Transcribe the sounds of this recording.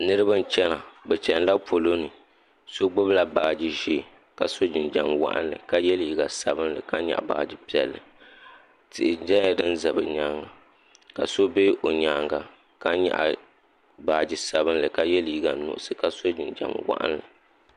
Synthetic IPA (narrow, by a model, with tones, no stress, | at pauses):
nɨ˦ɾɨ˦ba˦n̩˦t͡ʃɛ˦na˨bɛ˨t͡ʃɛ˨n˦la˦pʰo˨lo˦nɨ˨ | so˦ɡ͡bʊ˦bla˦˨baː˨d͡ʒi˦ʒeː˦˨ | ka˨so˦d͡ʒɪ˨nd͡ʒa˨mwa̰˦ʔa̰˦nlɨ̰˨ka˦jɛ˦lji˦˨ɡa˨sa˨bɨ˦nlɨ̰˨ka˦ɲɛ̰˨ʔba̰ː˨d͡ʒi˦pi˦ɛ˨lːɨ̰˨ | tɨ˨ʔɪ˨d͡ʒɛ˦ɲ˦a˦˨dɨ˦n˦za˨bɨ̰˨ɲa˦ŋa˨ | ka˨so˦be˦ʔo˨ɲaː˨ŋɡa˨ | ka˦ɲɛ̰˨ʔa̰˨ | baː˨d͡ʒi˨sa˨βɨ˦n˦lɨ˨ka˦jɛ˦lji˦ɡa˨nʊ̰˨ʔʊ˦sɨ˨ka˦so˦d͡ʒɪ˨nd͡ʒa̰˨mwa̰˦ʔa̰˦nlɨ̰˨